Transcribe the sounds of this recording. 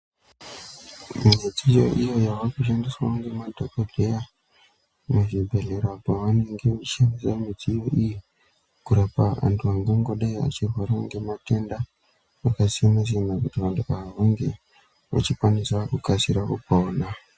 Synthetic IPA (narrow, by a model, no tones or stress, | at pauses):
miɲed͡zijo̰ʔijo̞jawakuʃ̬andiswaoŋɡe̞madʱokodʱeja | meʐibʱe̞ɮeɾapaʋane̞ŋɡe̞iʃamisamid͡ziːjoʔiji | kuɾapaʋa̰ntʰuaŋɡoŋɡoɗaia̰t͡ʃirwaɾaŋɡe̞mate̞nda | ʋakasijamaz̬enakutiʋantʰuaaʋaŋɡe | ʋa̰t͡ʃikwanisakukasiɾakupoːna